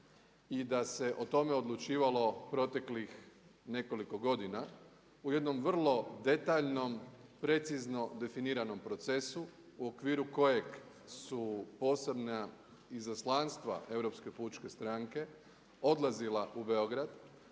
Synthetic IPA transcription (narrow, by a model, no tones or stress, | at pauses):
id̪ase̞ʔo̞t̪o̞me̞o̞d̪lˠut͡ʃiːʋalo̞pɾo̞t̪e̞klixne̞ko̞liko̞ɡo̞d̪ina | uje̞d̪no̞mʋr̩lˠo̞d̪e̞t̪aʎno̞mpɾe̞t̪sizno̞d̪e̞finiːɾano̞mpɾo̞t̪se̞su | uo̞kʋiːɾuko̞je̞ɡ | supo̞ːse̞bna | izaslˠanst̪ʋa̰ʔe̞vɾo̞pske̞put͡ʃke̞st̪ɾaŋke̞ | o̞d̪lˠazilaʔube̞o̞ɡɾad̪